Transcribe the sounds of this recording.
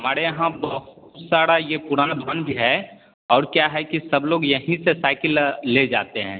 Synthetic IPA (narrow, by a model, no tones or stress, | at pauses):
ɦɦɐmaːɾejɐɦãbɐɦʊt̪saːɽajepʊɾaːnd̪ʱwanbʱiɦɛ | ɔːɾkjaːɦɛkisɐbloːɡjəɦĩsesaːɪkɪlːed͡ʒaːt̪eɦɛ̃ː